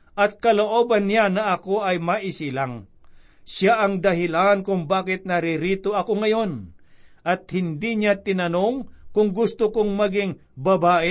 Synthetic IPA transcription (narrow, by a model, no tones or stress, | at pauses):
ʔɐt̪̚kɐloʔoːbɐnːjanɐʔɐko̞ʔɐjmɐʔɪsilaŋ | ʃaʔɐŋd̪ɐɦɪlankʊŋbaːkɪt̪̚nɐɾɪɾiːt̪oɐkoŋɐjo̞nʔɐt̪̚hɪnd̪iɲat̪ɪnɐnoŋkʊŋɡʊst̪ʊkoŋmɐɡɪŋ | bɐbaːʔɪ